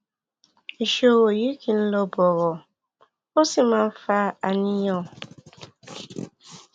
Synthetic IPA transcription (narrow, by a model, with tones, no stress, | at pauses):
i˨ʃo˦wo˨ji˦ki˨n̩˦lɔ˦bɔ˨ɣɔ˨ | o˦si˦ma˨m̩˦fa˦a˨ni˦jɔ̃˦˨